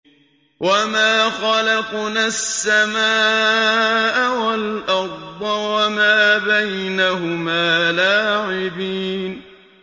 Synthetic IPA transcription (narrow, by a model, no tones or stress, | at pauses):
wʔamaːxɑlɑqnasːamaː | ʔawalʔɑɾd̪ˤɑwamaːbajnaɦʊmaːlaːʕɪbiːn